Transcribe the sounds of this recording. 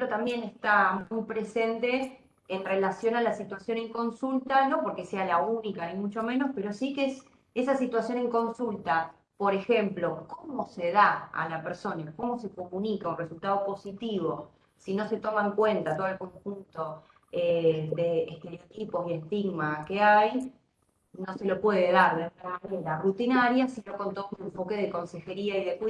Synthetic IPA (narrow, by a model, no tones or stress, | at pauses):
plot̪ambje̞nest̪amujpɾese̞nt̪e̞ː | nrelasjo̞nalasit̪wasjo̞neŋko̞nsult̪ano̞po̞ɾke̞sealaunikanimut͡ʃo̞mẽ̞nospe̞ɾo̞sikees | esasit̪wasjo̞neŋko̞nsult̪a | po̞ɾe̞xe̞mplo̞komo̞seðaa̰lapeɾso̞nako̞mo̞se̞ko̞munikaunresult̪að̞opo̞sit̪iβ̞o̞ | sino̞se̞t̪o̞maŋkwe̞nt̪at̪oðelko̞ŋxunt̪o̞ | ed̪eːhst̪eɾeo̞t̪ipo̞siest̪iɣmakeaj | no̞se̞lo̞pweðeðaɾðeunamaneɾarut̪inaɾjasino̞ko̞nt̪oðoeɱfo̞keðeko̞nse̞xe̞ɾiaiðek